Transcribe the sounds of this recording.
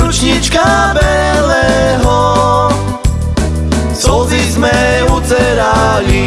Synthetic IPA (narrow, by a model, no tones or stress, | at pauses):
ut͡ʃɲit͡ʃkabɛ | lɛɦɔ | sɔzizmɛuzɛɾali